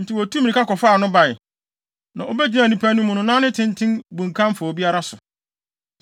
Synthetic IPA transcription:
n̩˨tʰɪ˨wɔ˨tʰu˦mĩ˨ĩ˨ka˦kɔ˨faː˦˨nʊ̃˦ba˨ɪ˨ | nã˨o˦bɛ˦d͡ʑi˨nã˨nĩ˦pʰæ˦nũ˦mʊ̃˨nʊ̃˨nãː˦nɪ̃˦tʰɪ̃˦n˦tʰɪ̃˦nbũ˨ŋkʰã˦mfa˨o˨bi˦a˦ɾa˦sʊ˨

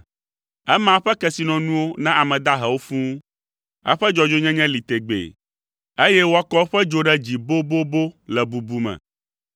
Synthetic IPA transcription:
ɛ˦mã˨ɸɛ˦kɛ˦si˨nɔ̃˨nũ˦wo˦nã˦ʔa˨mɛ̃˨d̪a˦ɦɛ˨wo˦fũ˦ | ɛ̰˦ɸɛ˦d͡ʒɔ˦d͡ʒo˦ɲɛ̃˦ɲɛ̃˦li˨t̪e˨ɡ͡bḛ˨ | e˦jɛ˦wo˦a˦kɔ˦ɸɛ˦d͡ʒo˦ɖɛ˦d͡ʑi˨bo˦bo˦bo˦lɛ˨bu˨bu˦mɛ̰̃˨

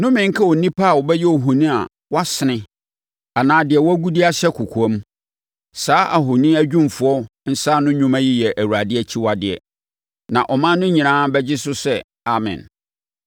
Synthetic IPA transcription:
nʊ̃˦mɪ̃˨ŋ̩˦kʰa˦wɔ˨nĩ˦pʰa˦a˨wɔ˨bɛ˦jɛ˦ɔ˨ɦu˨nĩ˦a̰˨ | wa˦sɪ˨nɪ̃˦ | a˨nãː˨dɪ˨ɛ˨wɔ˦æ˦ɡu˦dɪ˦a˦ɕɛ˦kʰʊ˨kʰu˨ɔ̃˦m˦ | saː˦ʔa˨ɦʊ˨nĩ˦æ˦d͡ʑᶣũ˦m˨fʊ˨˦ɔ˦n̩˦sa˦nʊ̃˦ɲʊ̃˦mã˦ji˦jɛ˨ʔæ˨wu˨ɾa˨dɪ˦ɛ˦t͡ɕʰi˦wa˨dɪ˨ɛ̰˨ | nã̰˨ʔɔ˨mã˦nʊ̃˦ɲĩ˨nã˦bɛ˦d͡ʑɪ˦sʊ˦sɛ˦˨ | a˨mɪ̰̃˨n

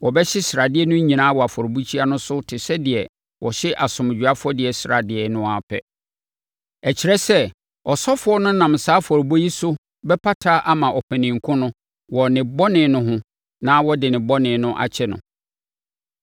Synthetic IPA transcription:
wɔ˨bɛ˦ɕɪ˦sɾa˨dɪ˦ɛ˦nʊ̃˦ɲĩ˨nã˦wɔ˨a˨fɔ˨ɾbu˦t͡ɕʰi˦a˦nʊ̃˦sʊ˦tʰɪ˨sɛ˦dɪ˨ɛ˨ | wʔɔ̰˨ɕɪ˦ʔa˨sʊ̃˨m˨d͡ʑᶣu˨a˦fʊ˦ɔ˦dɪ˨ɛ˨sɾa˨dɪ˨ɛ˨nʊ̃˦a˨pʰɛ̰˦˨ | ɛ˨t͡ɕʰi˨ɾɛ˦sɛ˦ | ɔ˨sɔ˦fʊ˨˦ɔ˦nʊ̃˦nã˨msaː˨˦fɔ˨ɾbo˦ji˦sʊ˦ | bɛ˦pʰa˦tʰa˦ʔa˦mã˨ʔɔ˨pʰæ̃˨nĩ˨ŋ˨kʰʊ̃˦nʊ̃˦ | wɔ˨nɪ̃˨bɔ˦nɪ̃˨˦nʊ̃˦ɦʊ̃˦ | nã˦wɔ˦dɪ˨nɪ̃˨bɔ˦nɪ̃˨nʊ̃˦ʔa̰˨t͡ɕʰɛ˦nʊ̰̃˨

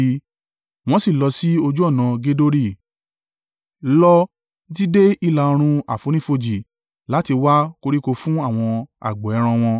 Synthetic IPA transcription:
w̃ɔ̃˦si˦˨lɔ˨˧si˦o˧d͡ʒu˦ɔ˦˨nã˨˧ɡe˦do˦ɾi˦˨ | lɔ˦ | i˧ti˦de˦i˦˨la˧o˧ɾ̃ũ˧a̰˨fo˨˦nĩ˦fo˧d͡ʒi˨ | la˨˦ti˧wa˦ko˧ɾi˦ko˧fũ˦a˦˨w̃ɔ̃˧a̰˨ɡ͡bɔ˨ɛ˨˧˦ɾ̃ã˧w̃ɔ̃˧

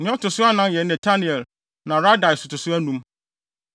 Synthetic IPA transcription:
nɪ̃˦ɔ˦tʰʊ˨sʊ˦a˦nã˦njɛ˨˦nɛ̃˨tʰa˦nĩ˨ɛ˨l | nã˨ɾa˦da˨ɪ˨sʊ˨tʊ˨sʊ˦æ˦nũ˦m

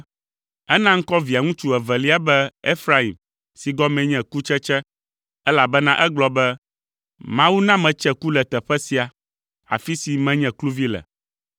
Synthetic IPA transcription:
ɛ˦nã˦ŋ̩˦kɔ˦vi˨a˨ŋũ˦t͡ʃu˦ɛ˨vɛ˨li˦a˦bɛ˦e˦fɾa˦i˨m | si˨ɡɔ˦mɛ̃˨ɲɛ̃˨ku˦t͡ʃɛ˦t͡ʃɛ˦ | ɛ˦la˨bɛ˦nã˦ʔɛ˦ɡ͡blɔ˨bɛ˦ | mã˦wu˦nã˦mɛ̃˨t͡ʃɛ˦ku˦lɛ˨t̪ɛ˨ɸɛ˦si˨a˨ | a̰˨fi˦si˨mɛ̃˦ɲɛ̃˨klu˦vi˦lɛ̰˨

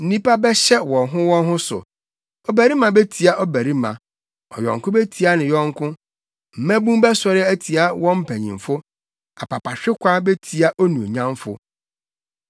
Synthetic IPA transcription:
n̩˦nĩ˦pʰa˦bɛ˦ɕɛ˦wɔ̃˨nɦʊ̃˦wɔ̃˦nɦʊ̃˦sʊ̰˨ | ɔ˨bæ˨ɾi˦mã˨be˦tʰi˨a˦ʔɔ˦bæ˨ɾi˦mã̰˨ | ɔ̰˨jɔ̰̃˨ŋkʊ̃˦be˦tʰi˨a˦nɪ̃˨jɔ̃˦ŋ˦kʰʊ̃˦ | m̩˨mæ̃˦bũ˦m˦bɛ˦sɔ˦ɾɪ˦æ˦tʰi˨a˦wɔ̃˦m̩˦pʰæ˨ɲḭ̃˨mfʊ˦ | a˨pʰa˨pʰa˨ɕᶣɪ˦kʷʰa˦be˦tʰi˨a˦ʔo˦nũ˨o˨ɲã˦mfʊ̰˦

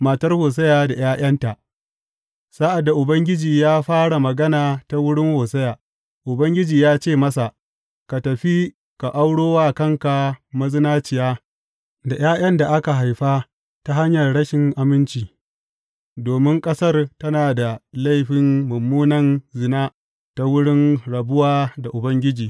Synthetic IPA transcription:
maː˨tɐ˦rhoː˨s̬ɐ˦jaː˨da˨j̰aː˦j̰ɐ˦nta˨ʔ | sa˦ʔa˨dːa˨ʔʊ˨bɐ˦ŋɡʲɪ˦d͡ʒiː˨jaː˦ɸaː˦ɽa˨mɐ˨ɡɐ˦naː˨ta˦wʊ˦ɽɪ˦ŋhoː˨sɐ˦jaː˨ | ʔʊ˨bɐ˦ŋɡʲɪ˦d͡ʒiː˨jaː˦t͡ʃeː˦˨mɐ˦sa˨ | ka˨tɐ˨ɸi˦ | ka˨ʔa˦wɽoː˦waː˦kɐ˦˨ŋka˨mɐ˦zɪ˦naː˦t͡ʃɪ˨jaː˦ | da˨j̰aː˦j̰ɐ˦nda˨ʔa˦ka˨ɦa˨jɸaː˦ | ta˦ɦa˦ɲjɐ˨rɽɐ˦ʃɪ˨ŋʔa˨mɪ˦nt͡ʃiː˨ | doː˨mɪ˦ŋkʼɐ˦sɐ˦rtɐ˦naː˨da˨la˦jɸɪ˨nːʊ˨mːuː˦nɐ˨nzɪ˨naː˦ | ta˦wʊ˦ɽɪ˦nɽɐ˨bʊ˦waː˦da˨ʔʊ˨bɐ˦ŋɡʲɪ˦d͡ʒiː˨

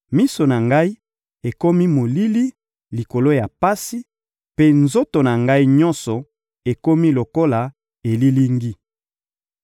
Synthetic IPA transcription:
mi˦so˨na˨ŋɡa˦i˦ | e˨ko˦mi˦mo˨li˦li˦ | li˨ko˨lo˦ja˨pa˦si˦ | pe˦nzo˦to˨na˨ŋɡa˦i˦ɲɔ̃˦nsɔ˨ | e˨ko˦mi˦lo˨ko˦la˨ | e˨li˦li˦ŋɡi˦

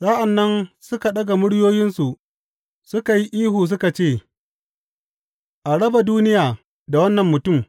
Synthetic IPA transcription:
saː˦ʔa˨nːɐ˦nsʊ˦ka˨ɗɐ˦ɡa˨mʊ˦ɽjoː˦jɪ˦nsu˨ʔ | sʊ˦ka˨ji˦ʔiː˦huː˨s̬ʊ˦ka˨t͡ʃeː˦˨ | ʔa˨ɽɐ˦ba˨duː˦nɪ˦jaː˨ | da˨wɐ˦nːɐ˨mːʊ˨tʊ˦˨m

